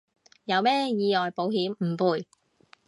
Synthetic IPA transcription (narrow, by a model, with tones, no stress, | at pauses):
jɐ˨˧wmɛː˥jiː˨˧ɔː˨˩jpo˨˥wɦiː˨˥mm̩˨˩puː˨˧j